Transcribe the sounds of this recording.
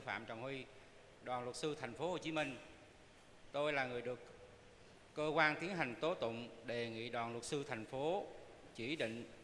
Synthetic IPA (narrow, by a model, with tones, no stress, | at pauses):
fa̰ː˧˨mt͡ɕɔ˨˩ŋ͡mhwi˧ | ɗwaː˨˩nlwə˨˩t̚sɨ˧t̪ʰjŋ̟fo˨˦ho˨˩t͡ɕi˨˦mi˧ŋ̟ | t̪o˧jlaː˨˩ŋɨ˨˩əjɗɨ˨˩əkː | əː˧kwaː˧nt̪i˨˦ənɦa˨˩ŋ̟t̪o˨˦t̪ʊ̰˧˨ŋ͡mɗe˨˩ŋḭ˧˨ɗwaː˨˩nlwə˨˩t̚sɨ˧t̪ʰa˨˩jŋ̟fo˨˦ | t͡ɕḭ˧˩ɗḭ˧˨ŋ̟